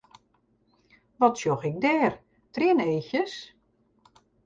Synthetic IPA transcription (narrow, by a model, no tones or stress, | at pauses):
ʋɔtsjoxɪk̚dɛːr | trɪəneːçjəs